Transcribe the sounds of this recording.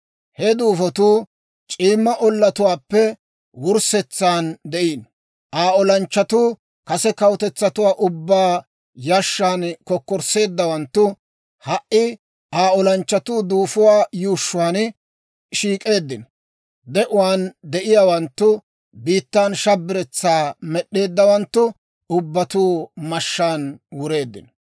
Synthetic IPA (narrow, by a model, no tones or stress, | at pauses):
hɛd̪uːfɔt̪uː | t͡ʃʼiːmːɐʔɔlːɐt̪ʊwaːpːɛ | wʊɾsɛt͡sːaːnd̪ɛʔiːn | ʔaːɔlɐnt͡ʃːɐt̪uː | kɐsɛkɐwt̪ɛt͡sːɐt̪ʊwaːʔʊbːaː | jaʃːaːnkɔkːɔɾse̞ːd̪ːɐwɐnt̪ːʊ | hɐʔːɪ | ʔaːɔlɐnt͡ʃːɐt̪uːd̪uːfʊwaːjuːʃːʊwaːn | ʃiːkʼe̞ːd̪ːɪnɔ̥ | d̪ɛʔʊwaːnd̪ɛʔɪjaːwɐnt̪ːʊ | biːt̪ːaːnʃɐbːɪɾɛt͡sːaːmɛɗːe̞ːd̪ːɐwɐnt̪ːʊ | ʊbːɐt̪uːmɐʃːaːnwʊɾe̞ːd̪ːɪ̰nɔ